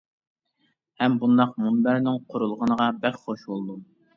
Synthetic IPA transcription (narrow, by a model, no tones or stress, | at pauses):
hɛmbund̪ɑq̚munbæɾnɪŋqʰʊɾulˠʁənəʁɑbɛkʲχoʃbolˠd̪u